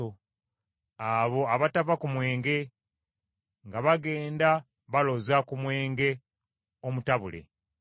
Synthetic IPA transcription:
o | aβo̞aβatavakumwe̞ːŋɡe̞ | ŋɡaβaɡe̞ːnda | βalo̞zakumwe̞ːŋɡe̞ | omutaβulḛ

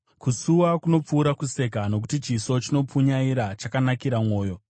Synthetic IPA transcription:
kusuwakuno̞p͡fuːɾakuse̞kano̞k̬utit͡ʃiso̞t͡ʃino̞p͡fuɲaiɾat͡ʃakanakiɾamwo̞ːjo̞

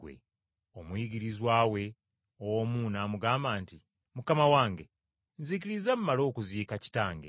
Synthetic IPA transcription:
wḛ | o̞mujiɡiɾizwaːwe̞ | owo̞muːnaːmuɡaːmbaːnti | mukamawaːŋɡe̞ | nzik̬iɾizamumːalo̞ːkuziːkaci̥taːŋɡe

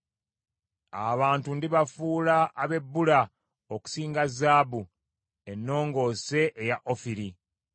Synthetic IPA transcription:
a̰βaːntundiβafuːlaːβe̞bːula | oku̥siːŋɡazːaːbu | e̞nːo̞ːŋɡo̞ːse̞ʔːjaʔofiɾi

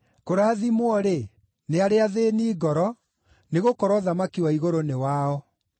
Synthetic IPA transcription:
koɾaːðimwɔɾe | neaɾeaðeniːɡɔɾɔ | neɣokɔɾwɔðamakiwaiɣoɾonewaɔ

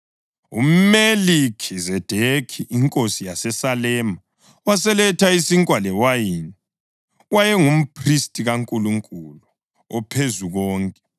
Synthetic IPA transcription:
ṵm̩melikʰizɛd̥ʱekʰiʔiŋkʼosijasɛsalɛːma | wasɛlɛtʰaisiŋkʼwalɛwajini | wajɛŋum̩pʰristʼiɣaŋkʼuluŋkʼulu | ɔpʰezuɣɔːŋkʼɛ

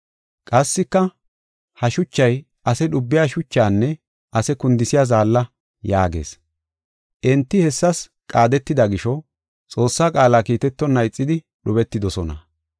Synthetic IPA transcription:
kʼɐsːɪkːɐ | hɐʃʊt͡ʃːɐj | ʔɐsɛɗʊbːɪjaːʃʊt͡ʃːaːnːɛ | ɐsɛkʊnd̪ɪsɪjaːzaːlːɐ | jaːɡe̞̰ːs | ʔɛnt̪ːɪhɛsːɐs | kʼaːd̪ɛt̪ːɪd̪ɐɡɪʃɔ | t͡sʼo̞ːsːaːkʼaːlaːkiːt̪ɛt̪ːɔnːɐjt͡sʼːɪd̪ɪ | ɗʊbɛt̪ːɪd̪ɔsɔnɐ̰

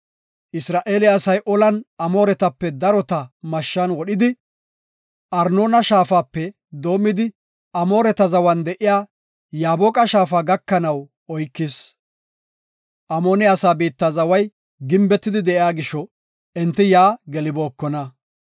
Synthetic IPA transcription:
ʔɪsɾaːʔeːlɪjaːsɐjʔɔlɐnɐmo̞ːɾɛt̪ɐpːɛd̪ɐɾɔt̪ɐmɐʃːɐnwɔɗɪd̪ɪ | ʔɐɾno̞ːnɐʃaːfaːpːɛ | d̪o̞ːmːɪd̪ɪ | ʔɐmo̞ːɾɛt̪ɐzɐwɐnd̪ɛʔɪjaː | jaːboːkʼɐʃaːfaːɡɐkːɐnɐw | ɔjkːɪs | ʔɐmoːnɪaːsaːbiːt̪ːɐzɐwɐj | ɡɪmbɛt̪ːɪd̪ɪd̪ɛʔɪaːɡɪʃːɔ | ɛnt̪ːɪjaːɡɛlɪbo̞ːkːɔnɐ

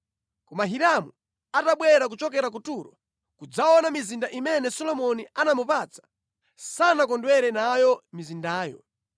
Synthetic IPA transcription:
kɔmaɦiɾamṵ | ataɓwɛɾak̬ut͡ʃɔk̬ɛɾak̬utuɾɔ | kud͡zaɔnamizindaʔimɛnɛsɔlɔmɔnianamupat͡sḁ | sanakɔndwɛɾɛnajɔmizindaːjɔ̰

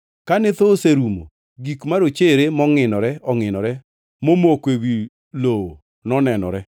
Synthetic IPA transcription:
kanɪt̪oseɾumo̰ | ɡikmaɾot͡ʃeɾemɔŋɪnɔɾɛɔŋɪnɔɾɛ | momokewi | lo | nɔnɛnɔ̰ɾɛ

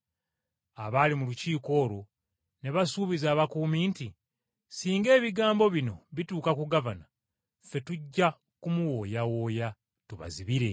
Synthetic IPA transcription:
aβaːlimuluciːko̞ːɾo̞ | ne̞βasuːβizaːβakuːmiːnti | siːŋɡe̞ːβiɡaːmbo̞βino̞βituːkakuɡavana | fe̞tuɟːa | kumuwo̞ːjawo̞ːja | tuβa̰ziβiɾe̞

